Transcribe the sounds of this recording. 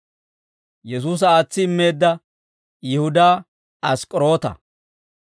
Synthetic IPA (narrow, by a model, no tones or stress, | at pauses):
jɛs̬uːs̬ɐaːt͡sːɪɪmːe̞ːd̪ːɐ | jɪhʊd̪aː | ɐskʼɾo̞ːt̪ɐ̰